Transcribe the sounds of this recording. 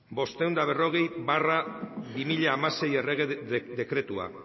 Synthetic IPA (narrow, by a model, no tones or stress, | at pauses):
bo̞st̪e̞wnd̪aβ̞e̞ro̞ɣ̞e̞jbarabimiʎaːmase̞je̞reɣed̪e̞kɾe̞t̪ua̰